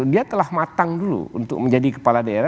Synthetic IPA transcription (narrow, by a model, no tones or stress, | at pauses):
diat̪əlahmat̪aŋdulṵṵnt̪ʊk̚məɲd͡ʒadikə̥paladaeɾa